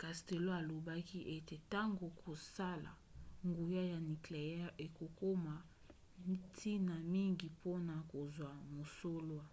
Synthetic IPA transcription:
ka˨ste˨lo˦a˨lo˨ba˦ki˦ʔe˦te˨ta˦ŋɡo˨kʰo˨sa˦la̰˨ | ŋɡu˨ja˦ja˨ni˨kle˨jɛ˦ʔe˨ko˨ko˦ma˨ | tʰi˦na˨mi˦ŋɡi˨pʰo˦na˨ko˨zwa˨mo˨so˦lwa˨

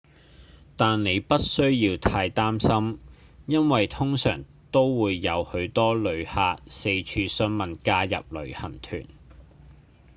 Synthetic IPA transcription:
t̪aː˨nne˨˧jpɐ˥t̚sɵ˥ɥjiː˧wt̪ʰaː˧jt̪aː˥msɐ˥m | jɐ˥nwɐ˨jt̪ʰʊ˥ŋsœ̰ː˨˩ŋ | t̪o˥wwuː˨˧jːɐ˨˧whɵ˨˧˥ɥt̪ɔː˥lɵ˨˧ɥhaː˧t̚se˧jt͡ʃʰyː˧sɵ˥nmɐ˨˩nkaː˧jɐ̰˨p̚lɵ˨˩ɥhɐ˨˩nt̪ʰy̰ː˨˩n

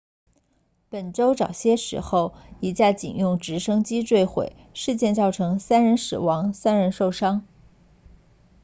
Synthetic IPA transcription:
pə˨˩nʈ͡ʂo˥ʊʈ͡ʂɑ˨˩ʊɕjɛ˥ʂɻ̩˧˥xo˥˩ʊi˧˥t͡ɕja˥˩t͡ɕḭ˨˩njʊ˥˩ŋʈ͡ʂɻ̩˧˥ʂɤ˥ŋt͡ɕi˥ʈ͡ʂwe˥˩ɪxwḛ˨˩ɪʂɻ̩˥˧t͡ɕjɛ˥˧nt͡sɑ˥˩ʊʈ͡ʂʰɤ˧˥ŋsa˥nɻə˧˥nʂɻ̩˨˩wɑ˧˥ŋsa˥nɻə˧˥nʂo˥˩ʊʂɑ˥ŋ

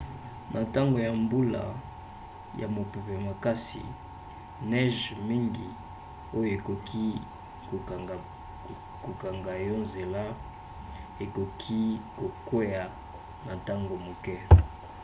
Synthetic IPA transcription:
mʔa˨ta˦ŋɡo˨ja˨mbu˦la̰˨ | ja̰˨mo˨pe˨pe˨ma˨ka˦sḭ˨ | nɛ˦ʒmi˦ŋɡi˨ | o˦jo˨e˨ko˨kʰi˦˨ | ko˨ka˨ŋɡa˨jɔ˦nze˨la˦ | e˨ko˨kʰi˦ko˨ke˦ja˨ | ma˨ta˦ŋɡo˨mo˨kɛ˦

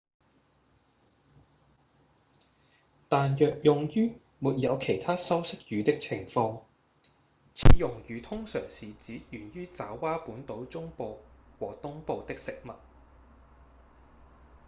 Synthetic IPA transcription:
t̪aː˨njœː˨k̚jʊ˨ŋjyː˥ | muː˨t̚jɐ˨˧wkʰe˨˩jt̪ʰaː˥sɐ˥wsɪ˥k̚jyː˨˧t̪ɪ˥k̚t͡sʰɪ˨˩ŋfɔː˧ŋ | t͡sʰiː˨˧jʊ˨˩ŋjyː˨˧t̪ʰʊ˥ŋsœː˨˩ŋsiː˨˩t͡siː˨˥jyː˨˩nɥyː˥t͡saː˨˥wːaː˥puː˨˥nt̪o˨˥wt͡sʊ˥ŋpo˨˧wwɔː˨˩t̪ʊ˥ŋpo˨˧wt̪ɪ˥k̚sɪ˨k̚mɐ˨t̚

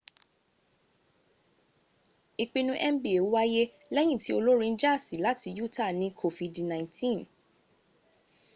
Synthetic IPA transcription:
i˧k͡pi˧nũ˧˦ʔɛ˦m̩˦bi˨e˨u˦wa˦je˦lɛ˦j̃ĩ˦˨ti˦o˧lo˦ɾĩ˧n̩˦d͡ʒa˦˨si˨˦la˨˦ti˧ju˦˨ta˦˨nĩ˧kʰo˧˨vi˧dnã˨ĩ˨ntĩ˦˨n

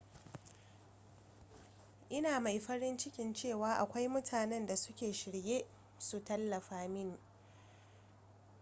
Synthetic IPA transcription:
ʔɪ˦naː˨ma˨jɸɐ˦ɽɪ˦nt͡ʃɪ˦kʲɪ˨nt͡ʃeː˦˨waː˨˦ʔa˨kʷa˦jmʊ˦tʰaː˨nɛ˦nda˨sʊ˦kʲeː˨ʃɪ˨ɽjeː˦ | su˨tɐ˦lːɐ˨ɸaː˦mɪ˦ŋ

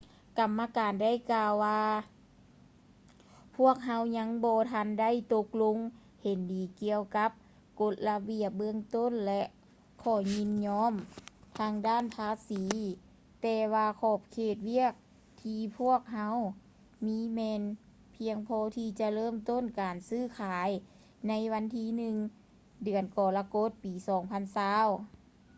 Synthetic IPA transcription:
ka˨˩mːa˧kaː˨˩nda˥˩˨jkaː˧wːaː˧ | pʰu˥˩ək̚ɦa˧˥wɲa˧˥ŋbɔː˧t̪ʰa˧˥˨nda˥˨jt̪o˧˦k̚lo˧˥ŋ | he˨˩ndiː˨˩ki˧əwka˧˦˥p̚ | ko˧˦t̪̚la˧bi˧˩əp̚bɯ˧əŋt̪o˥˨nlɛ˧ʔ | kʰɔː˨˩ɲi˧˥nɲɔː˧˥˨mt̪ʰaː˧ŋdaː˧˥˨npʰaː˧˥siː˨˦ | t̪ɛː˧waː˧kʰɔː˧˩p̚kʰeː˧˩t̪̚wi˧˥˩ək̚ | t̪ʰiː˧pʰu˥˩ək̚ɦa˧˥w | miː˧˥mɛː˧n | pʰi˧əŋpʰɔː˧˥t̪ʰiː˧t͡ɕa˧lɤː˥˩˨mt̪o˧˥˨nkaː˨˩nsɯː˧˩˨kʰaː˨˦j | na˧˥jʋa˧˥nt̪ʰiː˧˥nɯ˧ŋ | dɯ˨˩ənkɔː˨˩la˧ko˧˥t̪̚piː˨˩sɔː˨˦ŋpʰa˧˥˨nsaː˧˥˨w

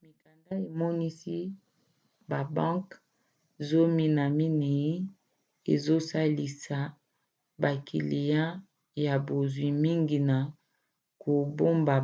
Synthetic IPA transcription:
mi˨ka˨nda˦e˨mɔ˦ni˦si˦ | ba˨bã˦ŋk | zo˦mi˦na˨mi˦ne˨ji˦ | ḛ˨zo˦sa˦li˨sa˨ | ba˨kʰḭ˨li˨jã˦ | ja˨bo˨zwi˨mi˦ŋɡi˨na˨ | ko˨bo˦mba˨

